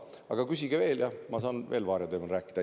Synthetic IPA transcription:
ɑ̰ɡ̥ɑkysʲiɡ̥eve̞ːljɑmɑs̬ɑːnve̞ːlvɑːɾjed̪eːmɑnrɾæːkːˑid̪̥ɑ

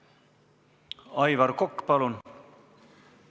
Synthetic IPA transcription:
ɑjvɑɾkokːpɑlun

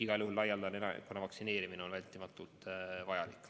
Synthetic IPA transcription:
iɡ̥ɑlʲjuɦullɑjɑld̪ɑnenɑ̰konɑvɑksine̞ːɾimineonvælʲt̪ːˑimɑt̪ːˑult̪vɑjɑlikːˑ

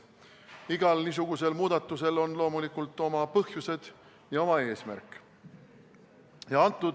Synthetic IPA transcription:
iɡ̥ɑlnis̬uɡ̥use̞lmuːd̪̥ɑt̪ːˑuse̞lo̞nlo̞ːmulikult̪ːˑo̞mɑpɤhjuse̞d̪̥ | jɑo̞mɑe̞ːsmæ̰rkːˑ | jɑɑnt̪ˑːud̪

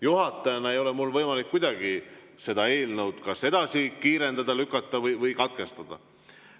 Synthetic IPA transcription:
juɦɑt̪ːˑɑjɑnɑe̞jo̞lɛmulːvɤjmɑlikːujd̪̥ɑɡ̥i | se̞d̪ɑe̞ːlnəwd̪̥kɑse̞d̪ɑsikiːɾe̞nd̪ɑd̪ɑlykːˑɑt̪ːˑɑvɤjvɤjkɑt̪̚ke̞st̪ɑd̪̥ɑ̰

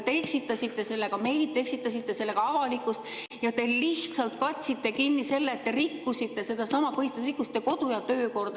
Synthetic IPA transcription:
t̪eeksit̪ːˑɑsʲit̪ːˑe̞se̞lːe̞kɑme̞jlit̪ːˑe̞ksit̪ːˑɑs̬it̪ːe̞se̞lːe̞ɡ̥ɑɑvɑlikːˑust̪ | jɑt̪e̞liht̪sɑlt̪kɑt̪ʲsit̪ːe̞kinʲːise̞lːeːt̪ːe̞ɾikːusit̪ːe̞se̞d̪ɑsɑmɑpɤɦist̪ɑsrikːusi̥t̪ːˑeko̞d̪̥ujɑt̪ø̞ːko̞rd̪̥ɑ

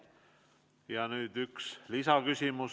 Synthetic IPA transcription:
jɑnyːd̪̥ykslisɑkysʲimus

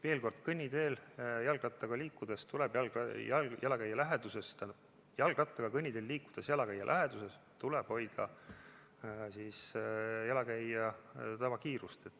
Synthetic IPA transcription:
veːlko̞rd̪̥kɤnʲːid̪e̞ːljɑlɡrɑt̪ːˑɑɡ̥ɑliːkːud̪est̪uleb̥jɑlɡjjælɑkæjːɑlæɦed̪usest̪æn | jɑlɡ̥rɑt̪ːˑɑɡ̥ɑkɤnʲːid̪̥eːlːiːkːud̪̥esjɑlɑkæjːɑ̰lʔæɦe̞d̪̥use̞s | t̪uleb̥ho̞jd̪̥ɑ̰ | siːsjælɑkæjːɑt̪ɑbɑkiːɾust̪et̪ːˑ

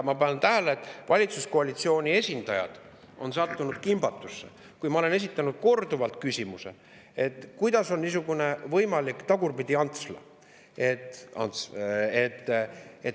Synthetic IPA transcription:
mɑpɑnt̪æɦæleːt̪ːˑvɑlʲit̪susko̞ɑlit̪sio̞ːnʲie̞sʲind̪̥ɑjɑ̰d̪̥ | ʔo̞̰nsɑt̪ːunud̪̥kimb̥ɑt̪ːˑusːe | kujmɑole̞ne̞s̬ʲit̪ːˑɑnud̪̥̚ko̞rd̪uvɑlt̪̚ˑkysʲimuse̞̰ | e̞t̪ːˑkujd̪̥ɑso̞nniːs̬uɡune̞vɤjmɑlikt̪ɑɡ̥urpid̪̥iɑnt̪slɑ̰ | et̪ɑ̰nt̪set̪ːe

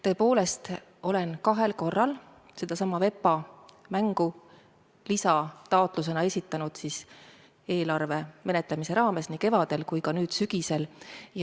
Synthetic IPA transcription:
t̪ɤ̞epo̞ːle̞st̪ | o̞le̞nkɑɦe̞lko̞rːɑl | se̞d̪̥ɑsɑmːɑve̞pːˑɑ | mæŋɡ̥u | lisɑt̪ɑot̪ˑlus̬e̞nɑe̞sʲit̪ːˑɑnud̪̥sis | e̞ːlɑrve̞me̞net̪ˑlemise̞ɾɑːme̞snike̞vɑd̪̥e̞lkujkɑnyːd̪̥syɡ̥ise̞lj

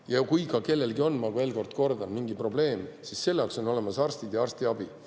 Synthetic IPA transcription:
jɑkujkɑke̞lːe̞lɡio̞nːmɑɡue̞ːlko̞rd̪̥ko̞rd̪ɑnmiŋɡipro̞b̥le̞ːmsisːe̞lːɑkso̞no̞le̞mɑsɑrst̪id̪jɑɑrst̪iɑb̥i

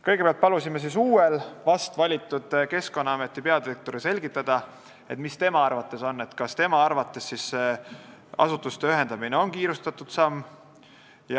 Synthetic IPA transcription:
kɤjɡepeɑlt̪pɑlusimes̬isuːelvɑst̪vɑlʲit̪ːˑud̪̥ke̞sko̞nːɑɑme̞t̪ːˑipe̞ɑd̪iɾek̚t̪o̞ɾise̞lʲɡ̥it̪ˑːɑd̪̥ɑ | e̞t̪mist̪e̞mɑɑrvɑt̪ːˑe̞so̞nːe̞t̪kɑst̪e̞mɑɑrvɑt̪ːˑe̞sːise | ɑ̰sut̪ːˑust̪eyɦe̞nd̪ɑmine̞o̞nkiːɾust̪ɑt̪ːˑud̪̥sɑmː | j

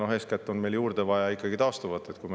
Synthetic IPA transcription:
noɦeːskæt̪ˑːo̞nme̞jljuːrd̪̥evɑjɑikːˑɑɡit̪ɑːst̪uvɑt̪ːˑe̞t̪kujm

